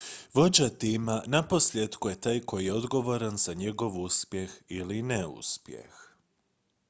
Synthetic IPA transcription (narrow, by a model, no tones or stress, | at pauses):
ʋo̞d͡ʑat̪imanapo̞slʲjed̪kuje̞t̪aːjkojijeo̞d̪ɡo̞ʋo̞ɾanz̥aɲe̞ɡo̞ʋuspjexilineṵspjḛx